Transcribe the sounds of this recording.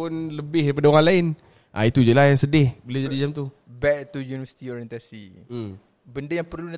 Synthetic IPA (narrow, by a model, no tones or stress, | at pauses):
ʊnləbɪhdaip̬adaoɣaŋlaɪn | ʔa̰it̪ud͡ʒəlahjaŋsədɪhbəlad͡ʒadid͡ʒamt̪u | bɛk̚t̪ujunivəsi̥t̪iɔɾiənt̪asḭ | bəndəjaŋpərluna